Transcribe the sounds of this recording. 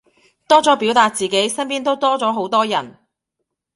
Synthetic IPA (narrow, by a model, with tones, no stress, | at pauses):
t̪ɔː˥t͡sɔː˨˥piː˨˥wt̪aː˧t̚t͡siː˨ke˨˥jsɐ˥npiː˥nt̪o˥wt̪ɔː˥t͡sɔː˨˥ɦo˨˥wt̪ɔː˥jɐ˨˩n